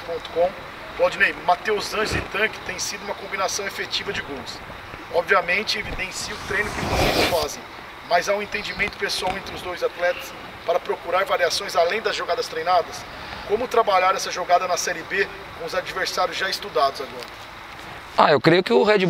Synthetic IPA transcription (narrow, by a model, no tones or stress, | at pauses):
põnt̪ʊ̥kõ | plawd͡ʒinejmat̪ewzɐ̃ʒɪt̪ɐ̃kɪ̥t̪ẽj̃sid̪ʊuũmɐkõmbinasɐ̃w̃efet͡ʃivɐd͡ʒɪɡõms | ɔbviɐmẽnt͡ʃɪevid̪ẽsiʊt̪ɾẽj̃nʊkɪvõnɐ̃fazẽj̃ | mɐzãẽt̪ẽd͡ʒimẽnt̪ʊ̥pesuawẽnt̪ɾɪʊzd̪ojzat̪lɛt̪ɐ̥s | paɾɐpɾokuɾaɾvaɾiasõj̃zalẽj̃d̪ɐzʒoɡad̪ɐst̪ɾejnad̪ɐs | kõmʊt̪ɾabaʎaɾɛsɐʒoɡad̪ɐnɐsɛɾɪbe | kõʊzad͡ʒiveɾsaɾjʊzʒaɪst̪ud̪ad̪ʊzaɡɔɾɐ | a̰ewkɾejʊkɪʊhed͡ʒi